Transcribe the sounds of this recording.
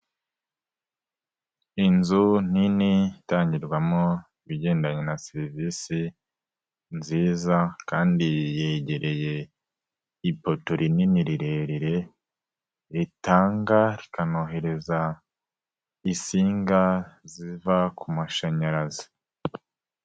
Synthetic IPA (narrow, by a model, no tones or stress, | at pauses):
inzun̥initaːɲɟiɾɡwamo | iβiɟe̞ːndaɲenaseɾiviːsi | nziːzakaːndijeɟe̞ɾe̞je̞ | ipotoɾininiɾiɾeɾiɾe̞ | ɾitaːŋɡaɾikanoɦe̞ɾe̞za | isiːŋɡazivakumaʃaɲaɾazi̥